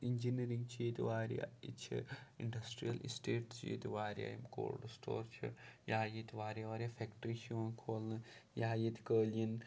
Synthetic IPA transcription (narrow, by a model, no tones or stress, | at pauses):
iɲʲd͡ʒiniɾiŋɡt͡ʃiːt̪iʋaːɾʲja̰it͡ʃʰɐ̰ḭɳɖɐsʈɾijɐlʔisʈeːʈt͡ʃḭːt̪iʋaːɾʲja̰jimko̰ːlɖsʈo̰ːɾt͡ʃʰɐ̰jaːjit̪iʋaːɾʲaʋaːɾʲjaːfʰekʈɾiʃiʋɐnkʰoːlnɨjaːjit̪ʰʲkəːljin